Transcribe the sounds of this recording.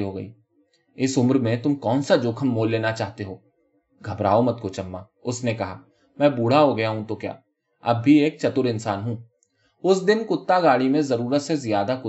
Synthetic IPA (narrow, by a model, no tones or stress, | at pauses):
ɦoɡɐ̰ḭː | ɪsʊmɾmẽt̪ʊmkɔːnsad͡ʒoːkʰəmːoːlːeːnat͡ʃaːɦt̪eɦoː | ɡʱɐbɾa̰ːomɐt̪̚kot͡ʃɐmːa | ʊsnekɐɦaː | mɛ̃ːbuːɽ̤aɦoɡɐjaɦũt̪okja̰ː | ɐbːʱieːk̚t͡ʃɐt̪ʊɾɪ̃nsaːnɦũː | ʊsd̪ɪnkʊt̪ːaɡaːɽimẽzɐɾuːɾət̪sezijaːd̪akʊ